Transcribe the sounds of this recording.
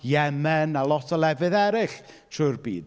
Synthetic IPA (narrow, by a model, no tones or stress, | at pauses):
jɛmɛnalˠɔtʰɔlˠɛvɨðɛɾɪɬ | tʰuːrbḭːd̥